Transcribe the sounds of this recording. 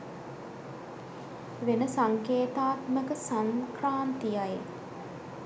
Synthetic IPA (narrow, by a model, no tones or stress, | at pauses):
ʋenəsaŋkeːt̪aːt̪məkəsaŋkraːnt̪ijaje